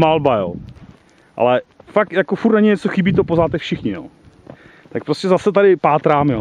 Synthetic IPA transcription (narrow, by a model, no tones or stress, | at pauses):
malbajo̰ː | ʔa̰lɛfak̚t̪jakofuɾt̪naɲɪɲɛt͡soxɪbiːt̪opozaːt̪ɛfʃɪxɲɪjo̰ː | t̪ak̚pɾoscʲɛzasɛt̪adɪpaːt̪ɾaːmjoː